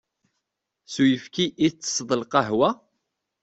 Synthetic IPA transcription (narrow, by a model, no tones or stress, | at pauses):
sujəfkiʔit͡sːə̥sˤðˤəlqɑɦwæ